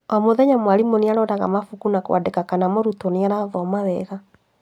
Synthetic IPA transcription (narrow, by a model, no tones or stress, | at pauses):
ɔmoðɛɲamwaɾimoneaɾɔdaɣa̰mafukunakwa̰dekakanamɔɾutɔneaɾaðɔmaðɛɣa